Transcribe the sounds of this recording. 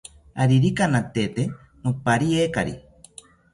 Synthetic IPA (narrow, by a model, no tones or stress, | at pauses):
aɾiɾikanat̪et̪e | nopaɾieka̰ɾḭ